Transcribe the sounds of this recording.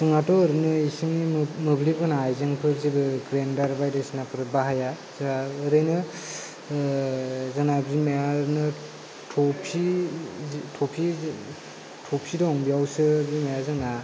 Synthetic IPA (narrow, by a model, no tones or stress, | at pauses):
zɯŋatɔːɾɯnɯisiŋimɯblibɯnaːjzaŋpʰɯɾzibɯɡɾendaɾbajdɯsnapʰɯɾɯt̚baɦaja | zaːɾɯjnɯ | zɯnabzimajaɾnɯ | tʰɔpʰi | tʰɔpʰi | tʰɔpʰidɔɔŋbijawsɯbzimajazɯŋna